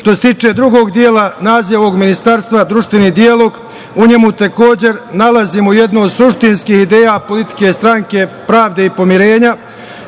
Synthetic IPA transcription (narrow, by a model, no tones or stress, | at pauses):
ʃt̪oset̪iːt͡ʃe̞d̪ɾuɡo̞ːɡd̪jeːlanaːziaʋo̞ɡminist̪aɾst̪ʋad̪ɾuʃt̪ʋenid̪ialˠo̞ɡ | uɲe̞mut̪eko̞ːd͡ʑe̞ɾnalaziːmujed̪noːd̪suʃt̪inskiːhid̪e̞ːjapo̞lit̪i̥ke̞st̪ɾaŋke̞pɾaːʋd̪e̞ipo̞miɾe̞ːɲa